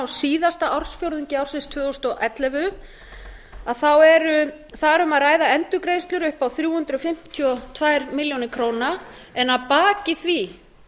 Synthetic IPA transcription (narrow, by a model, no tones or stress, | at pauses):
wsiːðast̪aʔawɾ̥sfjowɾðʏɲcɪawrsɪnst̪ʰvʏːðɔst̪ɔʔɛt̪lɛvʏ | aðθawɛɾʏ | θaðɛɾʏmaðraːjðaɛnt̪ʏkɾeːjst̪lʏɾʏhpawθɾjuːhʏnt̪ɾʏɔfɪm̥t̪ʰiɔt̪ʰvajɾmɪljownɪkʰɾowna | ɛnːaðpaːcɪθvi